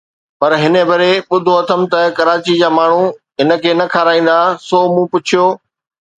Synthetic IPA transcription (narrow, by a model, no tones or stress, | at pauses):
pɐɾɦɪnəbɐɾeɓʊd̪ʱoɐt̪ʰəmt̪ɐkɐɾaːt͡ɕid͡ʑaːmaːɳ̤ũɦɪnə̆kʰeːnɐkʰaːɾaːĩːn̆d̪asoːmũːpʊt͡ɕʰijoː